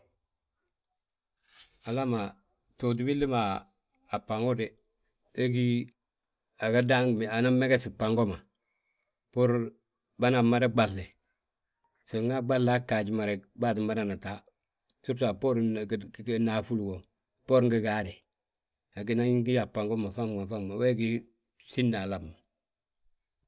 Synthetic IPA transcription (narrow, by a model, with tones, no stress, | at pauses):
a˨la˦ma˨ | to˨t̬i˦bi˦li˦ma˨ | a˨pa˨ŋu˦de˨ | e˦ɡi˦ | a˨ɡa˦da˦ŋm˨a˨na˦me˦ɡɛ˦si˨pa˨ŋɡo˦ma˨ | po˦ɾ | ba˦na˨ma˦ɾe˦ɡ͡ba˨lːe˨ | si˨ŋa˦ɡ͡ba˦lːa˦ka˨ɟi˦ma˨ɾe˨baː˦t̬i˨mma˦ɾa˨na˨ta˦ | su˦ɾta˨po˦ɾ | na˨fu˦lɡo˨ | po˦ɾŋɡi˨ɡaː˦de˨ | a˨ɡi˦na˦i˦ɡi˦ja˨pa˨ŋɡo˦ma˨fa˦mɡa˨fa˦mma˨we˦ɡi˦ | si˦nːa˨la˨bmːa˨